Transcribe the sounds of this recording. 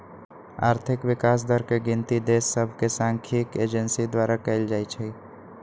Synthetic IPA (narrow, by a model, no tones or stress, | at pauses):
a̰ːɾt̪ʰɪkʋɪkas̬d̪əɾkeɡɪ̃nt̪id̪esːəbʱkesãŋkʰiked͡ʒənsid̪waɾakəɪld͡ʒajt͡ʃʰɛ